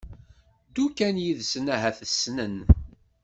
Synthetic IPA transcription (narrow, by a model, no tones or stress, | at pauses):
d̪ukænjiðsənæɦæθəsnən